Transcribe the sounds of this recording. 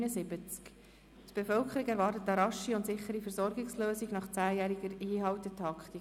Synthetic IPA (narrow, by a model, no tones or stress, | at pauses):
nəzɪbət͡sk | tb̥efœlkχəɾiɡæɾvɑrtət̪əɾɑʃiʊntsɪχːəɾifəɾzɔɾɡɪksløːsiɡnɑχt͡sæːjæːɾiɡəɾhiːɦɑwtətʰɑkχt̪i